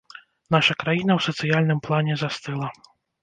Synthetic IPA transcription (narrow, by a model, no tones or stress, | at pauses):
n̪aʂɐkɾajinɐwsɐt̪sɨjalʲnɨmplˠanʲɛzast̪ɨlˠɐ